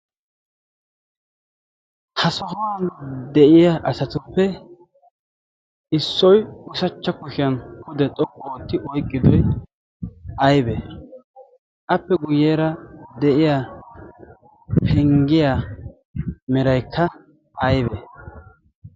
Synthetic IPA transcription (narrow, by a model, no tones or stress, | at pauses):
hɐsɔhɔwand̪ɛʔɪjaʔɐsɐt̪ʊpːɛ | ʔɪsːɔjʊsɐt͡ʃːɐkʊʃɪjɐnkʊd̪ɛt̪ʼɔkʼːoːt̪ːɪʔɔjkʼːɪd̪ɔj | ʔɐjbɛ | ʔɐpːɛɡʊjːeːɾɐd̪ɛʔɪja | pʰɛŋɡɪja | mɛɾɐjkʰːɐ | ʔɐjbɛ̰